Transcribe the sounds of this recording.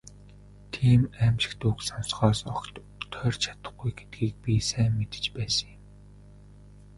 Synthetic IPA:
t̪ʰiːmæmʃɪ̥̆kt̪uksɔnsχɔːsɔkt̪ | t̪ʰœrt͡ɕʰḁt̪ə̆χɡujɡet̪̚ɡiːk̚pʲisæːmːet̪ɘ̥̆t͡ɕpæːsə̆ŋjʊ̆m

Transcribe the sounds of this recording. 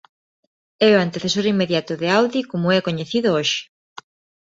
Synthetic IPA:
ɛoant̪eθesoɾimːeðjat̪ʊðeawðikomʊɛkoɲeθiðʊoʃɪ̥

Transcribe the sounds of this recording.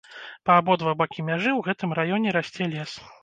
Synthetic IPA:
pɐːbɔd̪vabakʲimʲaʐɨwɣɛt̪ɨmrajɔnʲɛɾasʲt͡sʲɛlʲɛs

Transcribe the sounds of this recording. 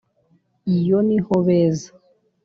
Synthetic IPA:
ijonihɔβɛza

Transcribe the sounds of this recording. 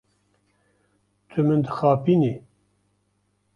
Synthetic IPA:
t̪ʰɨmɨnd̪ɨxaːpini

